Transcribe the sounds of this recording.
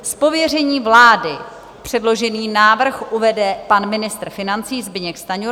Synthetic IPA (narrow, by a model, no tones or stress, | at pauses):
spo̞vjɛr̝ɛɲiːvlaːdɪ | pr̝̥ɛdlo̞ʒɛniːnaːvr̩xʔuvɛdɛpanmɪnɪst̪r̩fɪnant͡siːzbɪɲɛkst̪aɲo